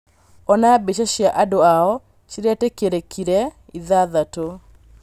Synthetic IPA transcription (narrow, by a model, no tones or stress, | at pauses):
ɔnabeʃaʃjaʔadoaɔ | t͡ʃiɾɛtekeɾekʰiɾɛ | iðaðato